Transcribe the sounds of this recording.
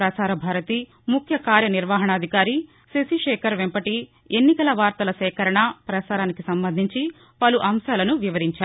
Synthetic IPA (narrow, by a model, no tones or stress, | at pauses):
ɾɐsaːɾɐbʱaːɾɐt̪i | mukʰjɐkaːɾjɐniɾʋaːɦɐɳɐːd̪ʱikaːɾi | sesiʂɛːkʰɐɾʋempɐʈi | enːikɐlɐʋaːɾt̪ɐlɐsɛːkɐɾɐɳɐpɾɐsaːɾaːnikisɐmbɐnd̪ʱiɲt͡ʃi | pɐluʔɐmʃaːlɐnuʋiʋɐɾiɲt͡ʃaːɾu